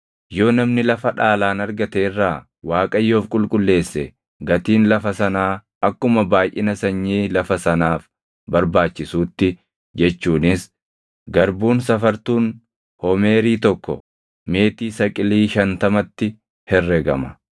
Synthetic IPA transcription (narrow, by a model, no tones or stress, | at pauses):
jo̞ːnɐmnɪlɐfɐᶑaːlaːnɐɾɡɐt̪eːrːaː | waːkʼɐjːo̞ːfkʼʊlkʼʊlːe̞ːsːɛ | ɡɐt̪iːnlɐfɐsɐnaː | ɐkːʊmɐbaːjʔɪnɐsɐɲːiːlɐfɐsɐnaːf | bɐɾbaːt͡ʃːɪsuːt̪ːɪ | d͡ʒɛt͡ʃːuːnɪs | ɡɐɾbuːnsɐfɐɾt̪uːn | hɔme̞ːɾiːt̪ɔkːɔ̰ | me̞ːt̪iːsɐkʼɪliːʃɐnt̪ɐmɐt̪ːɪ | hɛrːɛɡɐ̰mɐ